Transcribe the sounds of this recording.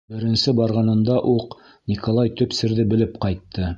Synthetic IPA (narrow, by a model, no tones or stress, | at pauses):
bɘ̆ɾɘ̆nsɘbɑɾʁɑnɤ̆nd̪ɑʔuq | nʲikolˠɑjt̪ɵ̆psɘ̆ɾðɘbɘ̆lɘpqɑjt̪ʰːɤ